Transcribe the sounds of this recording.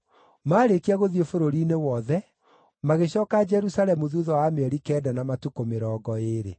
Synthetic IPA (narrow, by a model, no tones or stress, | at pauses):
maːɾekiaɣoðiefoɾoɾiːnewɔðɛ | maɣeɕɔːkad͡ʒɛɾusalɛmuðuðɔwamɛɾikɛːdanamatukomeɾɔːɡɔeɾḛ